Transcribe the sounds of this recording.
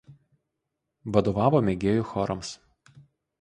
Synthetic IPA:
ʋɐd̪oːʋɑːʋoːmʲɛɡʲeːjʊxɔɾʔɐms

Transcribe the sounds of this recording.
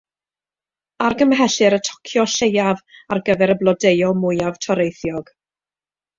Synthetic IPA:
arɡəmɦɛɬɨɾətʰɔ̥kʰjɔʃejavarɡəvɛɾəblˠɔdejɔmʊjav̥tʰɔɾejθjɔɡ̥

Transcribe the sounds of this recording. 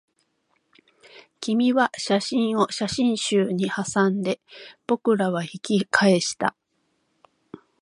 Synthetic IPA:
kʲimʲiβaɕaɕĩɰ̃o̞ɕaɕĩɰ̃ɕɨːɲ̟ihasãnd̪e̞b̥o̞kɯ̟ɾaβaçikʲikʰae̞ɕi̥t̪a̰

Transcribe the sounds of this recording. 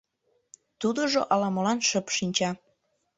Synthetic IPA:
t̪ud̪oʒoʔɑlɑməlɑnʃəpʃinʲt͡ɕɑ

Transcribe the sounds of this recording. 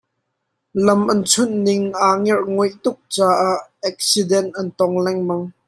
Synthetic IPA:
lɐmʔɐnt͡sʰʊnnɪŋʔaːŋɛrʔŋɔjʔt̪ʊk̚t͡saːʔaʔɛk̚sidɛnt̪ʔɐnt̪ɔŋlɛŋmɐŋ

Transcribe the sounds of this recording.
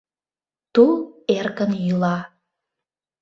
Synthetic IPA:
t̪uerkənjylɑ

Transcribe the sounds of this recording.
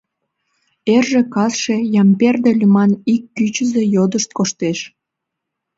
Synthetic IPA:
erʒekɑsʃejɑmperd̪elʲymɑnikːyt͡ɕəzejod̪əʃt̪̚koʃt̪eʃ

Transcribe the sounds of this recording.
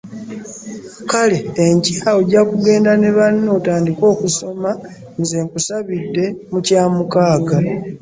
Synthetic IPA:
kale̞ːɲcaːoɟakuɡe̞ːndane̞βanːo̞ːtaːndiko̞ːkuso̞ma | nze̞ːŋkusaβidːe̞mucaːmukaːɡa

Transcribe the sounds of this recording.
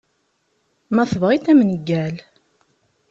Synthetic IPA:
mæθəvʁiθæmnəɡːæl

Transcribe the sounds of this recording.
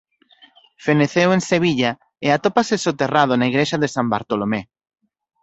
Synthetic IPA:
feneθewenseβ̞iʎa | eat̪opasesot̪erað̞onaiɣɾeʃaðesambaɾt̪olome

